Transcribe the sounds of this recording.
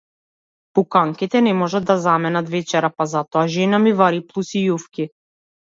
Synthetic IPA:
pukaŋkit̪ɛnɛmɔʒad̪ːazamɛnat̪vɛt͡ʃɛɾapazat̪ɔaʒɛnamivaɾiplˠusijufki

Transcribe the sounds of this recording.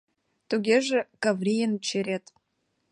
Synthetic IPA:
t̪uɡʲeʒĕkavrʲijənt͡ɕeɾʲet̪

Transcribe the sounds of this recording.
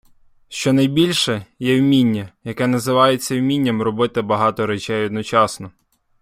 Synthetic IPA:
ʃt͡ʃɔnɐjbʲilʲʃɛjɛwmʲinʲːɐjɐkɛnɐzɪʋɑjet͡sʲːɐwmʲinʲːɐmrɔbɪt̪ɪbɐɦɑt̪ɔɾɛt͡ʃɛjɔd̪nɔt͡ʃɑsnɔ

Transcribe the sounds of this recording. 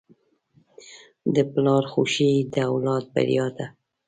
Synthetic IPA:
d̪əplɑɾxuʃid̪əawlɑt̪̚ba̰ɾijɑd̪a

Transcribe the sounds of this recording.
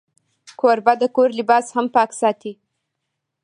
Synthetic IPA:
kʰoɾbad̪əkoɾlɪbɑshampɑksɑt̪i

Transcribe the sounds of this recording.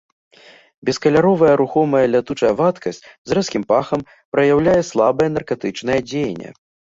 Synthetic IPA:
bʲɛskɐlʲaɾɔvɐjɐɾuxɔmɐjɐlʲat̪ut͡ʂɐjɐvat̪kɐsʲt͡sʲzrɛskʲimpaxɐm | pɾɐjawlʲajɛslˠabɐjɛnɐrkat̪ɨt͡ʂnɐjɐd͡zʲejnʲːɛ̰

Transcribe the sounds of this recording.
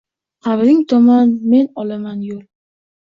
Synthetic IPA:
qʰɑβɾɪŋt̪ʰɒmanme̞nɒlamanjol

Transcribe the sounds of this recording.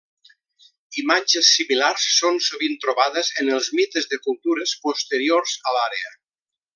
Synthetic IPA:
imad͡ʒəsːimilarsːonsuβint̪ɾoβaðəzənəlˠzmit̪əzðəkulˠt̪uɾəspost̪əɾioɾzəlaɾeə

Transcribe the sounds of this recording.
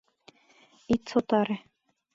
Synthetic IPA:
it̪sot̪ɑɾĕ

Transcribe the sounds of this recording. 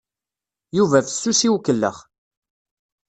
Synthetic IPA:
juvæfə̥sːusiwkːəlːə̰χ

